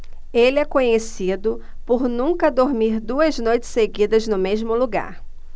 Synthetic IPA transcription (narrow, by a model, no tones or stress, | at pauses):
elɪɛkõɲesid̪ʊ | poɾnũkɐd̪oɾmiɾd̪uɐznojt͡ʃɪ̥seɡid̪ɐznʊmezmʊluɡa̰ɾ